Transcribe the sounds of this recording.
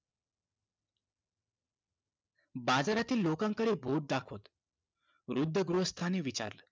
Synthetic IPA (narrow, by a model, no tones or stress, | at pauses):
bad͡zaɾat̪iːlːokãŋkəɽebʱoʈ̚d̪akʰot̪ | ʋɾud̪ʱːəɡɾuɦəst̪ʰaneʋit͡ɕa̰ɾlə